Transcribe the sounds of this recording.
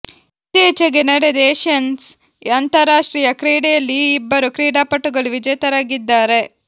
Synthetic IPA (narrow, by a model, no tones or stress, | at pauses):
t̪eːt͡ʃɐɡenɐɽed̪ɛːʃɐns | ɐnt̪ɐɾaːʂʈɾiːjɐkɾiːɽejɐlːiːbːɐɾukɾiːɽaːpɐʈːuɡɐɭuʋid͡ʒɐjt̪ɐɾaːɡid̪ːaːɾe̞